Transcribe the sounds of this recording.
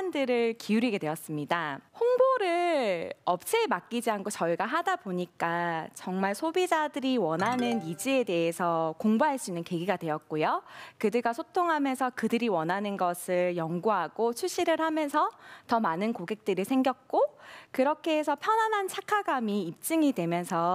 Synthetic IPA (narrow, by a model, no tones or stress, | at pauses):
ndɯɾɯɭkʰiuɾiɡe̞dweʌs͈ɯmɲidahoŋboɾɯɭʌp̚t͡ɕʰeːmak͈id͡ʑiɦankʰot͡ɕʌɭɡaɦadaboɲik͈at͡ɕʌŋmaɭsʰobid͡ʑadɯɾiwʌnɦanɯnid͡ʑie̞de̞ɦesʰʌkoŋbaɦaɭs͈uinːɯnke̞ɡiɡadwe̞jʌt̚k͈ojokɯdɯɡasʰotʰoŋɦamjʌnsʰʌkɯdɯɾiwʌnɦanɯnɡʌsʰɯɭjʌŋɡuɦaɡ̥ot͡ɕʰuɕ͈iɾɯɭhamjʌnsʰʌtʌmanɯnkoɡe̞k̚t͈ɯɾiɭsʰe̞ŋɡjʌk̚k͈okɯɾʌkʰe̞esʰʌpʰjʌnanɦant͡ɕʰakʰaɡamiːp̚t͡ɕ͈ɯŋidwe̞mjʌnsʰʌ